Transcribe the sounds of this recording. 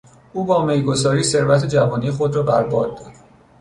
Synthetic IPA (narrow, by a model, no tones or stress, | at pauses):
uːbɒːmejɡo̞zɒːɾiːse̞ɾvæt̪ʰe̞d͡ʒævɒːniːexod̪rɒːbæɾbɒːd̪̚d̪ɒd̪̥